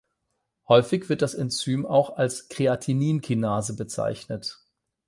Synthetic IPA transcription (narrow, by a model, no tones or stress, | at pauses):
hɔʏfɪçv̥ɪɐt̚d̥asɛnt͡syːmaʊxalskʁ̥eatʰiniːnkʰinaːzəbət͡sa̰ɪçnət